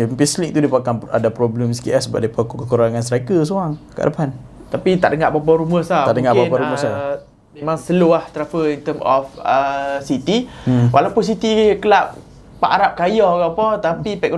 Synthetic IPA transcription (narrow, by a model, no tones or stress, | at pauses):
mpislik̚t̪udipakana̰dapɾɔblɛmsi̥kiʔasəba̰ʔ̚dipakukəkuɾaŋansəɾakəs̬oɾaŋkə̰ʔa̰dəpan | t̪apit̪aʔdəŋaʔbabɔɾuməsataʔdəŋaʔbanbaɾuməssa | memãŋsəluaht̪ɾafəint̪əmɔfəsit̪iwʔalawpʊns̬it̪ikəlaʔ̚ | paʔaɾap̚kajɔkapɔt̪apipɛk̚